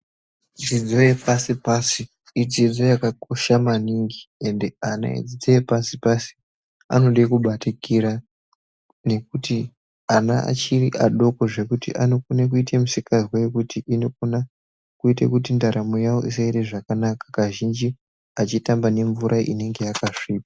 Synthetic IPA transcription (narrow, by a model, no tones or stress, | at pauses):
d͡zid͡zo̞jepasipasiː | d͡zid͡zo̞jakakoʃamaniŋɡie̞nde̞ana̰ḛd͡zid͡zo̞jepasipasi̥ | a̰no̞ɗekuɓatikiɾa | ne̞k̚uti | anaa̰t͡ʃiriʔaɗo̞ko̞ʐe̞kutḭʔanokunek̬uitʰemusikazwaje̞kutiʔinok̚una | kuitḛkutindaɾamojawo̞̰ʔisaireʐakanakḁkaʒind͡ʒi | at͡ʃitambane̞ɱvuɾʔaʔḭne̞ŋɡe̞jakaʂiːp̚a